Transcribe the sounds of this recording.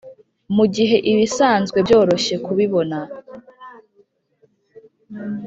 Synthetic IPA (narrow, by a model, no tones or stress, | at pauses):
muɟiɦe̞ʔiβisaːnzɡwe̞bjo̞ːɾo̞ʃe̞kuβiβo̞na